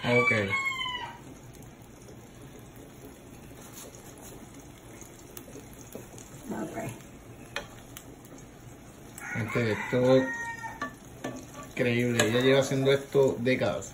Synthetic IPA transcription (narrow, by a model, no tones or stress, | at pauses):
okej | oke | ent̪eet̪o | kɾeiβleeʝaʝeβasjend̪oest̪od̪ekaða̰s